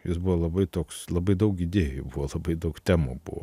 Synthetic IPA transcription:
jɪsbuʋoːlˠɐbɐɪt̪oːkslˠɐbɐɪd̪ɐʊkid̪ʲeːjʊbuʋoːlˠɐbɐɪd̪ɐʊkt̪ʲæːmoːbṵʋo̰

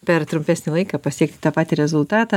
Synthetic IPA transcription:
pʲɛɾt̪ɾʊmʲpʲæːsʲnʲɪlˠɐɪkɐːpɐsʲiɛk̚t̪ʲɪ̥t̪ɑːpɑːt̪ʲiɾʲɛzʊlˠt̪ɑːt̪ɑ

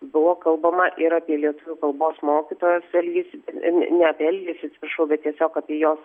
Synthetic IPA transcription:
bʊʋoːkɐlˠbɐmɐʔɪɾɑːpʲiɛlʲiɛt̪ʊʋʲʊkɐlˠboːsmoːkʲɪt̪oːjɛsɛlʲɡʲisbʲɛt̪nʲɛɐpʲːɛlʲɡʲiːsɐt̪sʲɪ̥pɾɐʃɐʊbʲɛt̪t̪ʲiɛsʲoːkɑːpʲiɛjoːs

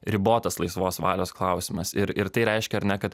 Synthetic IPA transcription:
ɾʲɪboːt̪ɐslˠɐɪsʋoːsʋɑːlʲoːsklˠɑʊsʲɪmɐsɪɾɪɾt̪ɐɪɾʲɛɪʃʲkʲɛɐɾnʲɛkɐt̪

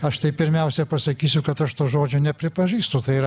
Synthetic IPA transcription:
ɐʃt̪ɐɪpʲɪɾʲmʲɛʊsʲɛpɐsɐkʲiːsʲʊkɐt̪ɐʃt̪oːʒoːd͡ʒʲʊnʲɛpʲɾʲɪpɐʒʲiːst̪ʊt̪ɐɪ

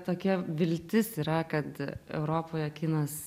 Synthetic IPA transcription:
t̪oːkʲiɛʋʲɪlʲt̪ʲɪsiːɾɐkɐt̪ɛ̰ʊɾoːpoːjɛkʲɪːnɐs

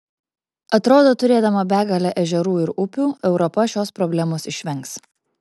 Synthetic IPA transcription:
ɐt̪ɾoːd̪oːt̪ʊɾʲeːd̪ɐmɐbʲæːɡɐlʲɛʔɛʒʲɛɾuːɪɾʊpʲuːɛʊɾɔpɐʃʲoːspɾɔbʲlʲæmoːsɪʃʲʋʲɛŋks

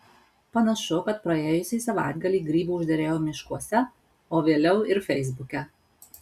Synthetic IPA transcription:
pɐnɐʃʊkɐt̪̚pɾɐeːjʊsʲiːsɐʋɑ̰ˑɪd̪ɡɐlʲiːɡɾʲiːbuːʊʒʲd̪ʲɛɾʲeːjoːmʲɪʃkuɔsʲɛ | oːʋʲeːlʲɛʊɪɾfʲɛɪzbʊkʲɛ

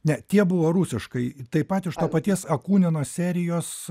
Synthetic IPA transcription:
nʲɛt̪ʲiɛbʊʋoːɾusʲɪʃkɐɪt̪ɐɪpɐt̪ɪʃt̪oːpɐt̪ʲiɛsɐkuːnʲɪnoːsʲæːɾʲɪjoːs

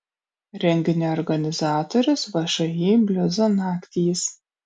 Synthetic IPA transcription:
ɾʲɛŋʲɡʲɪnʲeɔɾɡɐnʲɪzɑːt̪oːɾʲʊsʋɐʃɐjiːbʲlʲʊzɐnɑːkt̪ʲiːs

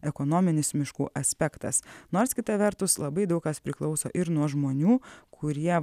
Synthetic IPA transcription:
ɛkɔnoːmʲɪnʲɪsmʲɪʃkṵːʔɐsʲpʲɛkt̪ɐ̰snoːɾskʲɪt̪ɐʋʲɛɾt̪ʊslˠɐbɐɪd̪ɐʊkkɐspʲɾʲɪklˠɒʊso̰ːʔɪɾnuɔʒmoːnʲuːkʰʊɾʲiɛ

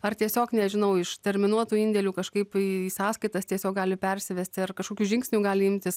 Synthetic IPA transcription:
ɐrt̪ʲiɛsʲoːknʲɛʒʲɪnɐʊɪʃt̪ʲɛɾʲmʲɪnuɔt̪uːɪnʲd̪ʲɛlʲuːkɐʃkɐɪpiiːsɑːskɐɪt̪ɐst̪ʲiɛsʲoːk̚ɡɑːlʲɪpʲɛɾʲsʲɪʋʲɛsʲt̪ʲɪɐrkɐʃkoːkʲuːʒʲɪŋksʲnʲuːɡɑːlʲɪɪmʲt̪ʲɪs

